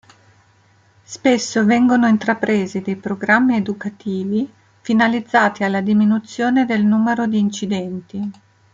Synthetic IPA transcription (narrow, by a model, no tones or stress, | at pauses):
spesːovɛŋɡonoint̪ɾapɾeːzid̪ejpɾoɡɾamːied̪ukat̪iːvi | finalid̪zːaːt̪ialːad̪iminut̪sːjoːned̪elnuːmeɾod̪iːnt͡ʃid̪ɛnt̪i